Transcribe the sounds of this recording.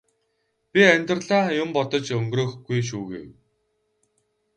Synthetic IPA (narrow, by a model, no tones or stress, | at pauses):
pʲiænʲt̪̆rɮaːjʊmpɔt̪ɞ̆t͡ɕɵŋɡrɵːxɡujʃ̬uːɣḛw